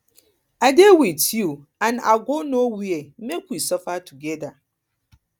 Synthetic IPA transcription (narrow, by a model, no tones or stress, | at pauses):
adewitju | ãna̰ɡonowiemekwisɔfatuɡɛda